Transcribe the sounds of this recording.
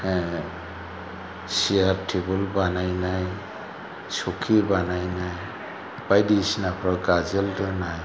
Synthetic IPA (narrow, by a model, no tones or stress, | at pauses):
sijaɾtʰebɔlbanajnaj | sukʰibanajnaj | b̥ajdisinapʰɹaɡazɛltɔnaj